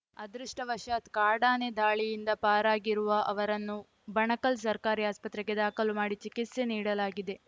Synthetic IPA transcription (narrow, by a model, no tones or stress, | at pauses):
ɐd̪ɾuʂʈɐʋɐʃaːt̪kaːɽaːned̪aːɭijind̪ɐpaːɾaːɡiɾuʋɐʔɐʋɐɾɐnːu | bɐɳɐkɐls̬ɐɾkaːɾiaːspɐt̪ɾɛɡed̪aːkɐlumaːɽit͡ʃikit̪se̞niːɽɐlaːɡid̪e̞